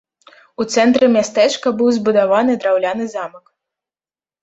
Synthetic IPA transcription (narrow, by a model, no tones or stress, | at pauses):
ut̪sɛnt̪ɾɨmʲast̪ɛt͡ʂkɐbɨwzbud̪avanɨd̪ɾawlʲanɨzamɐk